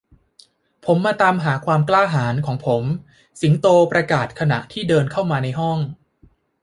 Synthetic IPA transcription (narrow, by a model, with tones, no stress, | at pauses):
pʰo˩˦mːaː˧t̪aː˧mɦaː˩˦kʰwaː˧mklaː˥˩ɦaː˩˦nkʰɔː˩˦ŋpʰo˩˦m | si˩˦ŋt̪oː˧pɾa˧kaː˨˩t̪̚kʰa˧na̰˨˩ʔt̪ʰiː˥˩dɤː˧nkʰa˥˩wmaː˧na˧jɦɔ˥˩ŋ